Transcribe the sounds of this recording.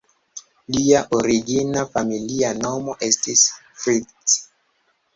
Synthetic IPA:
liaʔoɾiɡinafamilianomoʔestisfɾit͡s

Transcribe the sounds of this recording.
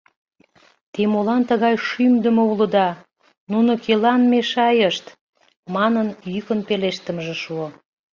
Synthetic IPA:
t̪emolɑnt̪əɣɑjʃymd̪ə̆moulə̆d̪ɑ | nunokelɑnmeʃɑjəʃt̪ | mɑnənjykənpeleʃt̪əmʒĕʃuo

